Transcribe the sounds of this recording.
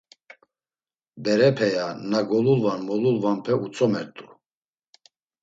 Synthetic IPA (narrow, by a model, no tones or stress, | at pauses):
bɛɾɛpʰɛjanaɡɔlulvanmɔlulvanpʰɛut͡sʰʼɔmɛɾt̪ʼu